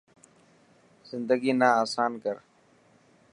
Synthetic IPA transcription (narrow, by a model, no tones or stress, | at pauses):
z̥ɪnd̪əɡiːnaːaːsaːnkəɾ